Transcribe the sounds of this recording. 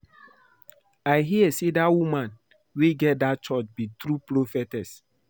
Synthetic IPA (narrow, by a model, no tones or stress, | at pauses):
aɪɦiɛsedawumãn | weɡɛt̚dat͡ʃɔt͡ʃbitɾupɾofɛtɛs